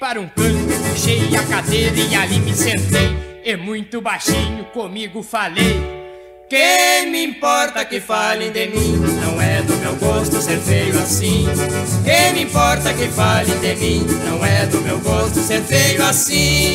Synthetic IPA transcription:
paɾɐũkɐ̃kepoʃejakad̪eɾɐialimɪseɾt̪ejɛmũj̃t̪ʊbajʃĩɲʊkõmiɡʊfalej | kẽmɪĩmpɔɾt̪ɐkɪfalẽd̪emĩnɐ̃w̃ɛd̪ʊmewɡost̪ʊseɾfejʊasĩkẽj̃mɪĩpɔɾt̪ɐkɪfalẽd̪ɪmĩnɐ̃w̃ɛd̪ʊmewɡost̪ʊseɾfejʊasĩ

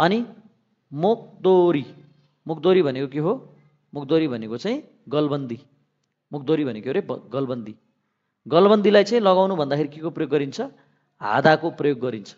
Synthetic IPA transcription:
ʌni | muk̚d̪oɾi | muk̚ʰd̪oɾibʱʌnekok̬eɦo | muk̚d̪oɾibʱʌnekot͡saĩ | ɡʌlbʌnd̪i | muk̚d̪oɾibʱʌnekeɾebʌɡʌlbʌnd̪i | ɡʌlbʌnd̪ilajt͡saĩlʌɣawnubʱʌnd̪akʰeɾikekoprʌjoɡːʌɾint͡sʰʌ | ɦa̰d̪akoprʌjoɡːʌɾint͡sʰʌ̥

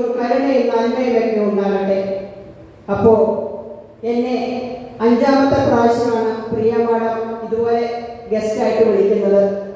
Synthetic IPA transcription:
kɐɾɐɳejilnɐnmɐjɐkɐkːɐnuuɳɖaːɣiʈːe̞ | ɐpːo̞ːɭ | enːe̞ɐɲd͡ʑaːmɐt̪ːɐpraːɐɕɐmaːɳɨprijɐmaːɽɐmiðubo̞ːle̞ɡe̞staːjiʈːɨʋeɭikʲːunːɐðɨ

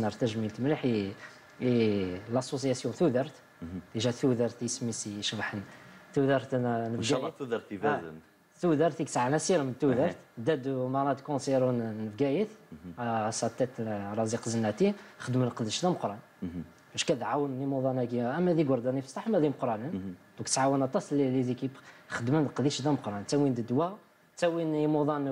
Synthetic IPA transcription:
nəɾt̪æʒmilt̪mliħi | lɑsːos̬jæsjuθud̪əɾˤt̪ | d̪iʒæθud̪ɑɾˤt̪ismisiʃbħənθuðɑɾˤt̪nəbæjdɾt̪ | θud̪ɑɾˤt̪iksʕanæsiɾmənt̪ːud̪ɑɾt̪d̪æd̪mɑnɑd̪kõsɛɾunəbɡæjət̪ | sˤɑt̪ːæt̪ɾˤɑziqzənːæt̪ixəd̪mænqd̪əʃd̪æmqɾˤɑn | bæʃkæd̪ʕawːənnimuðˤɑnækiʔæmːæd̪ikwʊɾˤd̪ænifə̥sˤɑħmæd̪iməqɾˤɑnənd̪̥ũkt̪sʕawənɑt̪ːˤɑslilid̪ikixəd̪mænqd̪iʃd̪æmqɾˤɑnt̪æwind̪əd̪wæ | t̪ːæwinimuðˤɑn

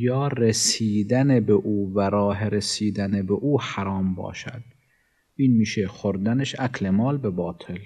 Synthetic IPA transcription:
jɒːɾesiːd̪ænebeʔuːvæɾɒːɦeɾesiːd̪ænebeʔuːhæɾɒːmbɒ̰ːʃæ̰d̪̥ | ʔiːnmiːʃexoɾd̪æneʃæklemɒːlbebɒːt̪ʰel

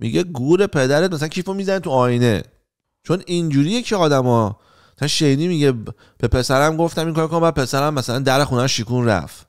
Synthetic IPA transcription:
mḭɟeɡuːɾe̞pʰe̞d̪æɾet̪̚mæsælæncʰifomizænet̪ʰuɒːjine̞̰ | t͡ʃʰo̞nind͡ʒuːɾijecʰiɒːd̪æmɒ | sænʃejniːmiɟe | b̥e̞pʰe̞sæɾæmɡoft̪æmiːŋkʰɒːɾkʰonmbæːd̪̚pʰe̞sæɾæmːæsælænd̪æɾexunæmʃikunɾæ̰f

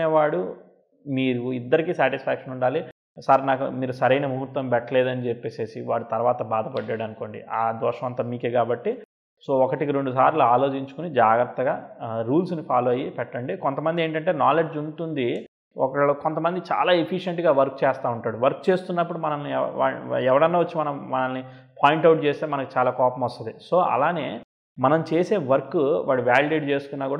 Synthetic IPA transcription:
eːʋaːɽu | miːɾuid̪ːɐɾikiːsaːʈispʰaːkʂɐnuɳɖaːli | saɾnaːkṵmiːɾusɐɾɐjnɐmuɦut̪ʋɐmpɛʈːɐle̞ːd̪ɐnit͡ʃepːe̞ːse̞ːsiʋaːɽut̪ɐɾuʋaːt̪ɐbaːd̪ʱɐpɐɖːaːɽɐnuko̞ːɳɖḭʔaːd̪ɔːʂɐʋɐnt̪aːmiːkeːkaːbɐʈːi | so̞ːɔkɐʈikiɾeɳɖus̬aːɾluaːlo̞ːt͡ʃiɲt͡ʃukunid͡ʒaːɡɾɐt̪ːɐɡaːɾuːlsnipʰaːluɐjipɛʈːɐɳɖikont̪ɐmɐnd̪ie̞ːɳʈɐɳʈe̞ːnaːle̞d͡ʒuɳʈund̪i | ɔ̰kɐɭoko̞nt̪ɐmɐnd̪it͡ʃa̰ːlaːepʰiʂeɳʈɡaːʋɐɾk̚t͡ʃɛːst̪aːuɳʈaːɽuʋɐɾk̚t͡ʃe̞ːst̪unːɐpːuɽumɐnɐnːia̰ːɛʋɐɽɐnːaːʋɐt͡ʃːimɐnɐmːɐnɐnːi | pʰaːjiɳʈɐwʈ̚t͡ʃe̞ːst̪eːmɐnɐkit͡ʃaːlaːkɔːpɐmɐst̪ɐd̪iso̞ːʔɐ̰laːne̞ː | mɐnɐmt͡ʃe̞ːse̞ːʋɐɾkːuʋaːɽuʋaːlɖeːɖt͡ʃe̞ːsu̥k̪unːaːkuːɽa

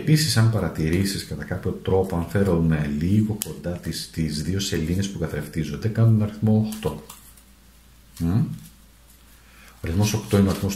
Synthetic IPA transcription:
episisɐmpɐɾɐt̪iɾisiskɐt̪ɐkɐpço̞t̪ɾo̞poɐnfe̞ɾoumeliɣo̞ko̞nd̪ɐt̪ist̪izðio̞se̞linespukɐθɾeft̪izo̞nd̪e̞kɐnunɐɾiθmo̞ːxt̪o̞ | o̞ɐɾiθmo̞so̞kt̪oino̞ɐɾiθmos

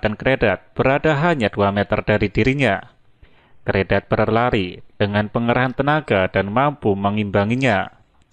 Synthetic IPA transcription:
d̥ankɾedat̪̚b̥əɾadaɦaɲaduamet̪ərd̥aɾidiɾiɲa | kəɾedat̪̚b̥əɾərlaɾid̥əŋanpəŋəɾaɦant̪ənaɡad̥anmampuməŋimbaŋiɲa

